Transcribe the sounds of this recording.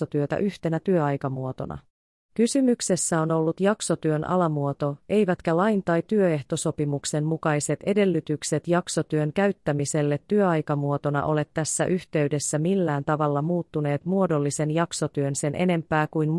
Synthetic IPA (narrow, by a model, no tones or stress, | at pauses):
ot̪yøt̪æ̰ʔyht̪e̞næt̪yøɑjkɑmuo̞t̪o̞̰nɑ̰ | kysymykse̞sːæo̞no̞lːut̪jɑkso̞t̪yønʔɑ̰lɑmuo̞t̪o̞ʔe̞jʋæt̪kælɑjnt̪ɑjt̪yøe̞ht̪oso̞pimukse̞mmukɑjse̞t̪e̞de̞lːyt̪ykse̞t̪jɑkso̞t̪yøŋkæyɥt̪ːæmise̞lːet̪ːyøɑjkɑmuo̞t̪o̞nɑ̰ʔo̞le̞t̪ːæsːæ̰ʔyçt̪e̞yde̞sːæmilːæːnt̪ɑʋɑlːɑmuːt̪ːune̞ːt̪muodo̞lːisenjɑkso̞t̪yønse̞nʔe̞ne̞mpæːkujn